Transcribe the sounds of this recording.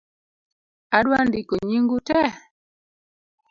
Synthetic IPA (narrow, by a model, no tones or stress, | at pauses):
adwandikɔɲiŋɡutɛ